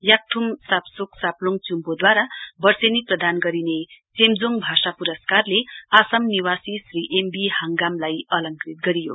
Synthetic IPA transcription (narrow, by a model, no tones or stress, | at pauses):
jak̚ʈʰumsapsuksaploŋt͡sumbod̪waɾabʌrseniprʌd̪ʱanɡʌɾinet͡semd͡zoŋbʱasapuɾʌskarleasʌmniwasisriʔembihaŋɡamlajʌlʌŋkrit̪̚ɡʌɾijo̰